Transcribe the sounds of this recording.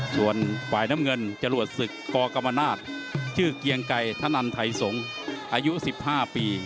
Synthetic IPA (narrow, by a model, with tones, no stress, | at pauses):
su˨˩ənfaː˨˩jna˦˥mŋɤ˧nt͡ɕa˧lu˨˩ət̪̚sɯ˨˩kːɔː˧ka˧mːa˧naː˥˩t̪̚t͡ɕʰɯː˥˩ki˧əŋka˧jt̪ʰaː˦˥˩nʔa˧nt̪ʰa˧˩jso˩˦ŋ | ʔaː˧ju˦˥si˨˩p̚haː˥˩piː˧